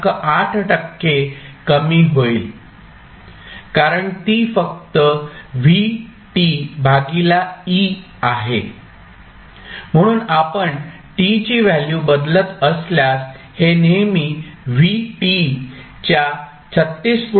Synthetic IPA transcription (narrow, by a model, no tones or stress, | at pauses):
kəʔaʈʰʈəkːekəmiːɦoil | kaɾəɳt̪iːfək̚t̪əʋi | ʈibʱaɡilai | aɦe | m̤əɽ̃uːnapəɳ | ʈit͡ɕiːʋæljubəd̪lət̪əsljas | henemiːʋiʈi | t͡ɕja | t͡sʰət̪ːiːsk